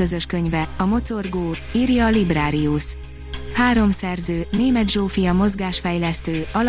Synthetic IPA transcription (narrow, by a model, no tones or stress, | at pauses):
øzø̞ʃkø̞ɲvɛɒmo̞t̪o̞rɡoːiːrjɒːlibraːɾiuʃ | haːɾo̞msɛrzøːneːmɛd̪ʒoːfijɒmo̞zɡaːʃfɛjlɛst̪øːɒl